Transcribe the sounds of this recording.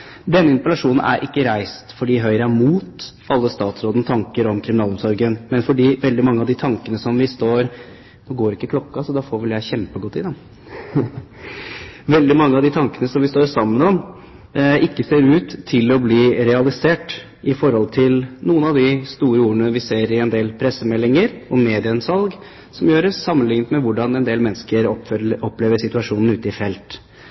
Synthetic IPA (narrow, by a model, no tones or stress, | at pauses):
d̪ɛnːəɪnp̪əlɑʂuːnn̩ʔæ̰ɾʔɪkːəɾæɪst̪fɔɖiːɦœʏɾəæmuːt̪ | ɑlːəst̪ɑːt̪sɾoːd̪n̩t̪ʰɑŋkəɾɔmkʰɾɪmɪnɑːlɔmsɔɾɡənmɛnfɔɖiːʋɛld̪ɪmɑŋːəɑʋd̪ɪt̪ʰɑŋkənəsɔmʋɪst̪oːɾ | noːɡoːɾɪkːəkʰlɔkːɑsɔd̪ɑːfoːɾʋɪljæɪçɛmpəɡɔt̪ːɪd̪ɑ | ʋɛld̪ɪmɑŋːəɑʋd̪ɪt̪ʰɑŋkənəsɔmʋɪst̪oːɾsɑmːənɔm | ɪkːəseːɾʉːt̪ʰːɪlɔbliːɾɛɑlɪseːʈ | ʔɪfɔɾhɔlt̪ʰɪlnuːənɑʋd̪ɪst̪uːɾəuːɾəɳəʋɪseːɾɪɛnd̪eːlpʰɾɛsːəmɛlːɪŋəɾɔmeːd̪ɪənsɑlɡ | sɔmjøːɾəssɑmːənlɪŋnt̪mɛʋʊɖɑnɛnd̪eːlmɛnːəskəɾɔɔpːleːʋəsɪt̪ʉɑʂuːnn̩ʉːt̪əɪfɛlt̪